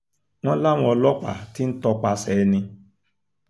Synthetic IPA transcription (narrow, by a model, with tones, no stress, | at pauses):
ŋ̃ɔ̃˦la˦w̃ɔ̃˧˦ɔ˧lɔ˦k͡pa̰˨ti˦n̩˦tɔ˧k͡pa˧sɛ˨˦nɪ̃˧